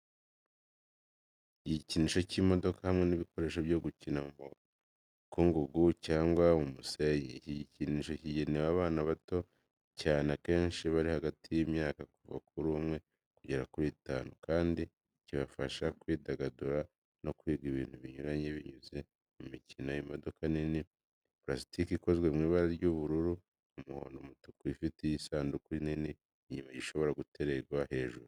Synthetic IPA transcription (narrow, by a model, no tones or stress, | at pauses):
iɟiɟiciniːʃo̞cimo̞do̞kahamŋe̞niβiko̞ɾe̞ːʃoβjo̞ɡucinamumu | kuŋɡuɡucaːŋɡwamumusejḛciɟiciniʃo̞ciɟe̞newaːβaːnaβato̞ | caːnake̞ːnʃiβaɾihaɡatʰijimɲaːkakuva̰kuɾumŋe̞ | kuɟe̞ɾakuɾiːta̰ːnukaːndi | ciβafaʃakwiːdaɡaduɾa | no̞kwiːɡiβiːnthuβiɲuɾaɲeβiɲuze̞ | mumicino̞jimo̞do̞kanini | pɾasi̥tikiko̞zɡwe̞mŋiːβaɾaɾɟuβuɾuɾu | umuho̞̰ːndo̞mutu̥kuifitejisaːndukuinini | ɲimaɟiʃo̞βo̞ɾaɡute̞ɾe̞ɡwahe̞ːʒuɾu